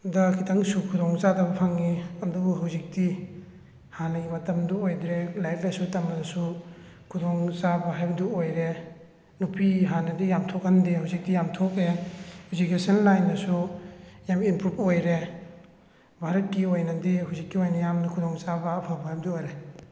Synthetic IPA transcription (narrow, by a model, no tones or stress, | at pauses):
dɐkʰitʰɐŋsukʰudoŋzadɐbɐpʰaŋiɐdubuɦawzik̚ti | hanɐɡimɐtɐmduojdɾelajpnɐsutɐmɐdɐsu | kʰudoŋzabɐɦajbɐduojɾe | nupiɦanɐdijamtʰokːɐndihawzik̚tijamtʰokɾehuzikesɐnlajnːɐsujamimpɾup̚ojɾe | bʱaɾɐt̚kiojnɐdiɦuwzikːiojnɐjamnɐkʰudoŋt͡ʃabɐːpʰabɐɦajbɐdiojɾe